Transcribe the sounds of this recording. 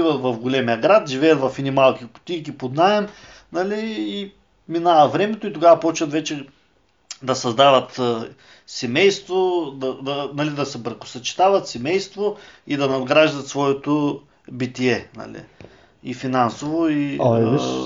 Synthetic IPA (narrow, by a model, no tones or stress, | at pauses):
ivɐt̪vɐfɡolɛmijɐɡɾat̪ʒivɛjɐt̪vɐfɛnʲimalˠkʲikʊ̥t̪ʲikʲipod̪naɛm | nɐliː | minavɐvɾɛmɛt̪oit̪oɡavɐpɔt͡ʃvɐt̪vɛt͡ʃɛ | d̪ɐsɐzd̪avɐt̪ː | sɛmɛjst̪vod̪ɐd̪ɐnɐlid̪ɐsɛbɾɐkʊ̥sɐt͡ʃi̥t̪avɐt̪sɛmɛjst̪void̪ɐnɐd̪ɡɾaʒd̪ɐt̪svɔɛt̪o | bit̪iɛnɐ̰lḭ | ifinansovoi